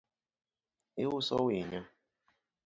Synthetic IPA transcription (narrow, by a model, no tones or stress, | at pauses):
iwʊsɔwiɲɔ